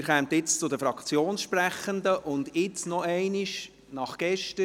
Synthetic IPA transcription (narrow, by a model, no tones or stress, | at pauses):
ɪɾχɛmt̪ɪt͡st͡sʊd̪əfɾɑkt͡sjoːnsʃpræχənd̪əʔʊnd̪ɪt͡snɔɛɪniʃ | nɑχɡ̥ɛʃtə